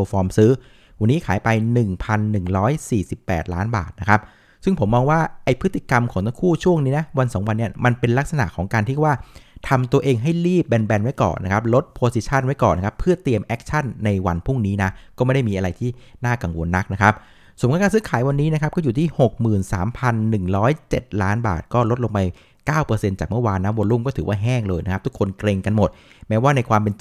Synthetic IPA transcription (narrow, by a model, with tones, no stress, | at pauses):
o˧fɔː˧msɯː˦˥ | wa˧nːiː˦˥kʰaː˩˦jpa˧jnɯ˨˩ŋpʰa˧nːɯ˨˩ŋɾɔː˦˥jsiː˨˩si˨˩pːɛ̰ː˨˩t̪̚laː˦˥nba̰ː˨˩t̪̚na˦˥kʰa˦˥p̚ | sɯ˥˩ŋpʰo˩˦mːɔː˧ŋwaː˥˩ʔa˧jpʰɯ˦˥t̪ʰːi˨˩ka˧mkʰɔː˩˦ŋt̪ʰa˥ŋkʰuː˥˩t͡ɕʰu˥˩əŋniː˦˥na˦˥wa˧nsɔː˩˦ŋwa˧nːi˥˩ɐma˧npe˧nla˦˥k̚sa˧na̰˨˩ʔkʰɔː˩˦ŋkaː˧nt̪ʰi˥˩˥waː˥˩t̪ʰa˧mt̪u˧ɐʔeː˧ŋɦa˥˩jɾiː˥˩p̚bɛ˧nbɛ˧nwa˦˥jkɔ̰ː˨˩nʔa˦˥kʰa˦˥p̬̚lo˦˥t̪̚pʰoː˧si˧˩t͡ɕʰa˥˩nwa˦˥jkɔ̰ː˨˩nːa˥kʰa˦˥pʰːɯ˥˩ɐt̪i˧əmʔɛ˦˥k̚t͡ɕʰa˥˩nːa˧jwa˧npʰu˥˩ŋniː˦˥na˦˥kɔː˥˩ma˥˩da˥˩jmiː˧ʔa˧ɾa˧jt̪ʰiː˥˩naː˥˩ka˨˧ŋwo˧nːa˦˥k̚na˦˥kʰa˦˥p̚ | so˨˩˦mkʰːnkaː˧nsɯː˦˥kʰaː˩˦jwa˧nːiː˦˥na˦˥kʰa˦˥p̚kɔː˥˩juː˨˩t̪ʰiː˥˩ho˨˩k̚mɯː˨˩nsaː˩˦mpʰa˧nːɯ˨˩ŋɾɔː˦˥jt͡ɕe˨˩t̪̚laː˦˥nba̰ː˨˩t̪̚kɔː˥˩lo˦˥t̪̚lo˧ŋma˧j | kaː˥˩wpɤː˧se˧nt͡ɕaː˨˩k̚mɯ˥˩waː˧nːa˦˥wo˧nlu˥˩mkɔː˥˩ɯː˩˦waː˥˩ɦɛː˥˩ŋlɤː˧jna˦˥k̚ʰt̪ʰu˦˥kʰo˧nkɾeː˧ŋka˧nmo˨˩t̪̚ | mɛː˦˥waː˥˩na˧jkʰwaː˧mpe˧n